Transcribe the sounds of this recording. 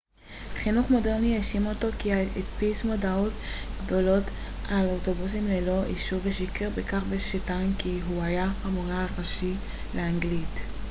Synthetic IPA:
χinuχmo̞deʁnieʃimoto̞kiaetpismodawtɡ̥do̞lo̞t | alowto̞busimlelo̞ʔiʃubeʃikeʁbekaχbeʃitajnkiɦuajaamuʁaʁaʃi | leaŋɡlit

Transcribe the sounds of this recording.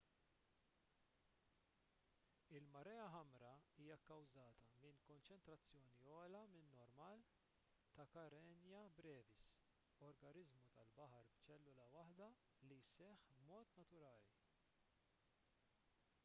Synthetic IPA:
ɪlmɐɾɛːɐɦɐmɾɐiːjɐkɐwzɐːt̪ɐmɪnkɔnt͡ʃɛnt̪ɾɐt͡sːjɔːniɔːlɐmɪnːɔɾmɐːl | t̪ɐkɐɾɛnjɐbɾɛːvɪs | ɔɾɡɐnɪzmut̪ɐlbɐħɐɾbt͡ʃɛlːʊlɐwɐħd̪ɐ | lijsɛħbmɔːt̪nɐt̪ʊɾɐːli

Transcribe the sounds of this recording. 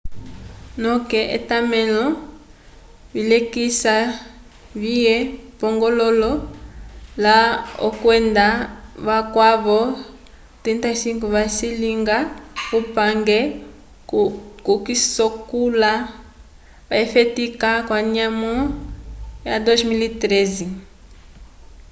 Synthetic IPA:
nɔkɛʔḛtamɛlɔ | βilɛkisa | βiɛpɔŋɡɔlɔlɔ | lao̰kwɛndaβakwaβɔ | tintasiŋkuβasiliŋɡakupaŋɡɛ | kukisɔkula | βaifɛtikakwaɲamu | jadozmilitɾɛzi

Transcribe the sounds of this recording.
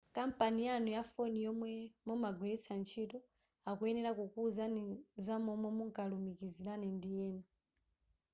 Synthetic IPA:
kam̩panijanujafɔnijɔmwɛmɔmaɡwiɾisant͡ʃʰitɔ | akuɛnɛɾakukuzanizamɔmɔmuŋkalumikizilanɛndijɛːna

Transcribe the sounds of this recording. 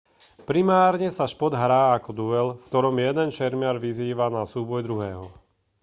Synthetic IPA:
pɾimaːɾɲɛsaʃpɔd̪ɦɾaːakɔd̪uɛlfkt̪ɔɾɔmjɛd̪ɛnt͡ʃɛɾmɪaɾʋiziːʋanasuːbɔjd̪ɾuɦɛːɦɔ

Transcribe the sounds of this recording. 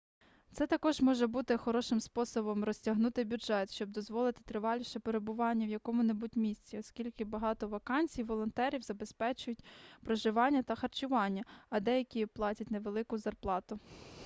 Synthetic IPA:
t̪sɛt̪ɐkɔʒmɔʒɛbut̪ɪxɔɾɔʃɪmspɔsɔbɔmrɔsʲtʲɐɦnut̪ɪbʲudʒɛt̪ʃt͡ʃɔbd̪ɔzʋɔlˠɪt̪ɪ̥t̪ɾɪʋɑlʲiʃɛpeɾebʊʋɑnʲːɐʋjɐkɔmʊnebut̚ʲmʲisʲt͡sʲiɔskʲilʲkɪbɐɦɑt̪ɔʋɐkɑnʲsʲijwʋɔlˠɔnt̪ɛɾʲiwzɐbespɛt͡ʃʊjʊtʲpɾɔʒɪʋɑnʲːɐt̪ɐxɐrt͡ʃʊʋɑnʲːɐɐd̪ɛjɐkʲiplˠɑtʲɐtʲnɛʋelˠɪkʊzɐrplˠɑt̪ʊ

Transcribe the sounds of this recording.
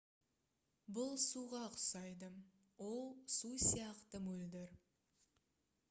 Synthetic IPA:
bʊlˠsuʁɑqʰʊ̥sɑjd̪ə | wo̞lˠsusijɑqt̪əmɵld̪ɪɾ

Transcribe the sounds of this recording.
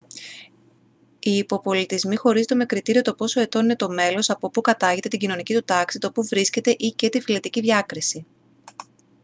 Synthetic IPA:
iːpo̞po̞lit̪izmixo̞ɾizet̪eme̞kɾit̪iɾio̞t̪o̞po̞so̞e̞t̪o̞nine̞t̪o̞me̞lo̞sɐpo̞pukɐt̪ɐʝet̪e̞t̪iɟino̞nicit̪ut̪ɐksit̪o̞puvɾisce̞t̪e̞ʔice̞t̪ifile̞t̪iciðʝɐkɾisi

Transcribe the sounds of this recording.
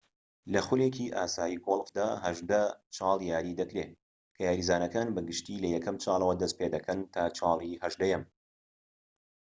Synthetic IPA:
lɐxʊlekiʔa̰ːsaːjiːɡolˠfd̪aːhɐʒd̪ɐt͡ʃʰɑːlˠjaːɾid̪ɐkɾeː | kʰɐjaːɾiːzaːnɐkaːnbɐɡɨʃt̪iːlɐjɛkʰɐmt͡ʃʰɑːlˠɐwɐd̪ɐst̪̚peːd̪ɐkʰɐnt̪ʰaːt͡ʃʰɑːlˠihɐʒd̪ɐjɐm

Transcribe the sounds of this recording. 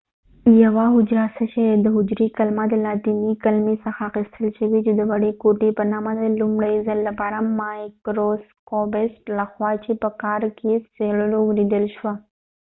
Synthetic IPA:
jɐʋaːɦʊd͡ʒɾaːsɐʃɐd̪əɦʊd͡ʒɾikɐlmad̪ɐlaːt̪imikɐlmisɐxaːxɪst̪ʰəlʃɐʋit͡ʃid̪əʋɐɽekoːʈepɐnaːmãd̪ɐlʊmɽɐizɐlːɐpaːɾamːaːkɾoːskoːbesʈlɐxwaːt͡ʃʰipɐkaːɾkiseɽloɡlid̪əlʃwa

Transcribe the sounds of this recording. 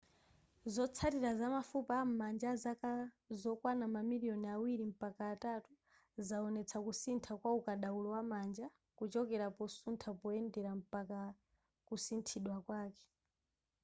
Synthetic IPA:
zɔt͡sʰatiɾazamafupam̩mand͡ʒazaka | zɔkwanamamiliɔniawiɾim̩pakaːtatu | zaɔnɛt͡sʰakusintʰakwaukaɗaulɔwamand͡ʒa | kut͡ʃɔkɛɾapɔsuntʰapɔɛndɛɾam̩paka | kusintʰiɗwakwaːkɛ̥

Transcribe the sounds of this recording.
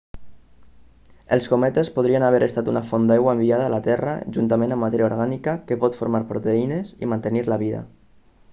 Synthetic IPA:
əlˠskomɛt̪espoð̞ɾiənaβ̞ɛɾʔəst̪at̪unafond̪ajɣwaembiaðaːlat̪ɛra̰ʒunt̪amẽnamːat̪ɛɾjaoɾɣanikakəpɔt̪foɾmaɾpɾot̪einezḭmant̪əniɾlaβiða̰

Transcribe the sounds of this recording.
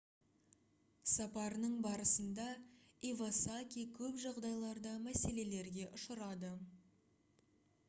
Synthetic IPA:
sɑpɑɾənəɴbɑɾəsənd̪ɑivasakʲikʲʰɵpʒɑʁd̪ɑjlˠɑɾd̪ɑmæse̞le̞le̞ɾɡʲe̞ʔʊʃəɾɑd̪ə

